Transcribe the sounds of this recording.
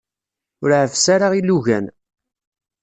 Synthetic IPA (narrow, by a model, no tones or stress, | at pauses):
ʊɾʕəfsaɾaʁilːuʝæ̰n